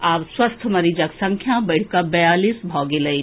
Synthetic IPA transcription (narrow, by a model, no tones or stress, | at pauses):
aːbswəst̪ʰməɾiːd͡ʒəksə̃ŋkʰjãbəɪɽ̤kabɛjaːlisbʱɔːɡeləi